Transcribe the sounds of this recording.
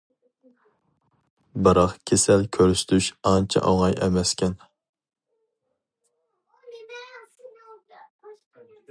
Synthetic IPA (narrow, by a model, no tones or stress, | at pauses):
bɨɾɑqkʲʰesɛlkʲʰøɾst̪ʰyʃɑnt͡ʃʰɛ̰ʔɑŋɑjʔɛmɛskʲʰɛn